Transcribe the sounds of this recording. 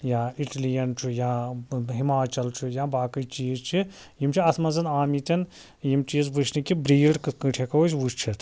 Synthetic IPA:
jãːiʈlijɐnt͡ʃʰujãɦimaːt͡ʃɐlt͡ʃʰujãːbaːkɨjt͡ʃiːzt͡ʃʰi | jimt͡ʃʰiɐt̪ʰmɐnzɐnaːmit̪ʲɐn | jimt͡ʃiːzʋut͡ʃʰnikibɾiːɽkɨkɨʈʰekɐut͡ʃʋut͡ʃt͡ʃʰit̪ʰ

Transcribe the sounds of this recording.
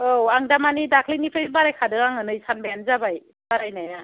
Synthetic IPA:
owaŋdamanidakʰlinipʰɯbaɾajkʰadɯkaŋɯnɯjsanbajanzabaj | baɾajnaja

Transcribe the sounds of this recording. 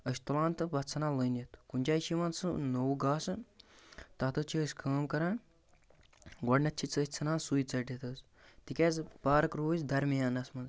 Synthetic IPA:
ɐsʲt̪ulãːnt̪ɨbɐtt͡sʰɐnãːləːnjɐt̪kunʲd͡ʒaːiʃiʋɐ̃ːnt͡sɨnowɡaːsɨ | t̪ɐt̪ʰɐt͡ʃʰəːsʲkʰəːmkɐɾãːn | ɡɔɖnɐt̪̚t͡ʃʰit͡sət͡sʰɐnãːnsujit͡sɐʈɐt̪ɐz | t̪ikʲeːzpaːɾkɾoːzʲd̪ɐɾmijaːnɐsmɐnz

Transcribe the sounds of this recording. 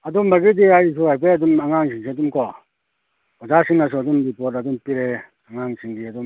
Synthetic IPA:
adumbaɡidiais̬uajp̬eadumaŋaŋsʰiŋs̬iadumkʰɔ | ɔzasiŋnas̬ɔadumɾipɔtadumpiɾɛ | aŋaŋsʰiŋdiadum

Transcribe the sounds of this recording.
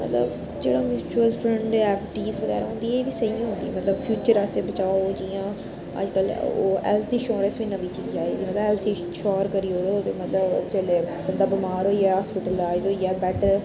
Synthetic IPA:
mə̰t̪lə̰b | d͡ʒeːɽamjuːt͡ʃuəlfʰɾə̃ɳɖɛːpʈiːsʋəɣɛ̰ːɾaɦõnd̪ieːʋiːsəiãːɦʊ̃nd̪ḭɛ̰mɐt̪ləbfʰjuːt͡ʃəɾasẽbət͡ʃaːod͡ʒijãː | ə̰d͡ʒkəlo̰ːɛ̰lt̪ʰiːʃɔːɾəsʋĩːnəʋiːt͡ʃiːzd͡ʒaːeːd̪iːmɐt̪ləbɛːlt̪ʰi | ʃɔːɾkəɾiːoːɾot̪emət̪ləbt͡ʃəleːbənd̪aːbɪmaːɾɦoːiɛɦaːspɪʈəlaːɪzɦoːiɛːbɛːʈəɾ

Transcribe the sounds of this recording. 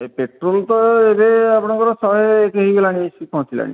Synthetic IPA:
epeʈɾolt̪ɔebeapɔɽ̃ɔŋkɔɾɔsɔɦekeɦiɡelaɽ̃isikʰɔ̃t̪ʰila̰ñḭ

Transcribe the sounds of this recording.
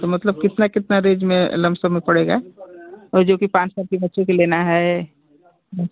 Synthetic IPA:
t̪omɐt̪ləb̚kɪt̪nakɪt̪naɾeːd͡ʒmẽlɐ̃msomẽpɐɽeːɡa | ɔːɾd͡ʒoːkipãːt͡ʃsɔkebɐtːʃõkeleːnaɦɛ

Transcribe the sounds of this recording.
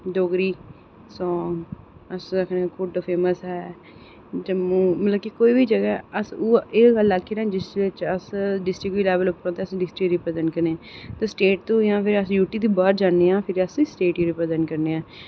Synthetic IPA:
ɖoːɡɾiː | sɔːŋ | əsd̪əkʰneãːkʊɖpʰeːməsɦɛː | d͡ʒəmũːmət̪ləb̚kiːkoːiːbiːd͡ʒəɡɛːəsːeːɡəlːakʰːeːɾãːd͡ʒɪsʋɪt͡ʃəsɖɪsʈɾɪkʋiːlɛːʋəlʊpːɾõːt̪eːəsɖɪsʈɾɪkɾipɾəd̪ənkəɾneːãt̪ẽːsʈeːʈ̚t̪ũːãːpʰɪɾəsjuːʈiːd̪iːbaːɾd͡ʒaːnːeːãːpʰɪɾəsisʈeːʈjiːɾiːpɾədənkəɾneːãː

